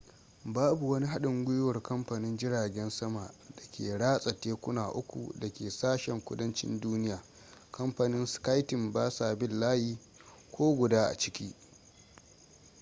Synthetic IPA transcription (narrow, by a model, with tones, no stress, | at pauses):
baː˦bu˨wɐ˦ni˦ɦa˦ɗɪ˨ŋɡʷʊ˦jʊ˦wɐ˨rkɐ˦mɸa˨nɪ˦nd͡ʒɪ˦ɽaː˨ɡʲɛ˦nsɐ˦ma˨ʔdɐ˨kʲeː˨ɽaː˦sʼɐ˨teː˦kʷʊ˦naː˨ʔʊ˦kʷṵ˨dɐ˨kʲeː˨saː˦ʃɛ˨ŋkʷʊ̰˦dɐ˦nt͡ʃɪ̰˦nduː˦nɪ˦jaː˨ | kɐ˦mɸa˨nɪ˦nska˦jtɪ˨mbaː˦sa˨bɪ˦lːaː˦jiː˦ | kʷʰoː˦ɡʷʊ˨daː˦ʔa̰˨t͡ʃɪ̥˦kʲiː˦